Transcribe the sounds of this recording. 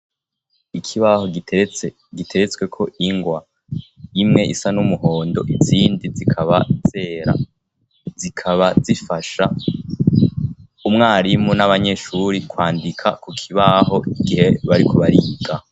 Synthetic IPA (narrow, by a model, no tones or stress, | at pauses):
ikʰiβaho | ɡitʰe̞ɾet͡swe̞kʰo̞ʔiŋɡwa | imŋe̞ʔḭsanumuho̞ːndo̞̰ʔiziːndizikʰaβaz̥eːɾa̰ | zikʰaβazifaʃa | umŋaːɾimunaβaɲe̞ʃuɾikwaːndikʰa̰kukʰiβaɦo̞ʔiɡihe̞βaɾikʰo̞βaɾiːɡa